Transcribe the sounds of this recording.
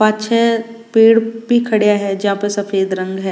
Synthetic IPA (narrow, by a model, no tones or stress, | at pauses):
paːt̪ːʃʰɛ | peːɽbʱikʰɐɽijaɦɛd͡ʒɐɦãpɐsɐfeːd̪ɾɐ̃ŋɡɦɛː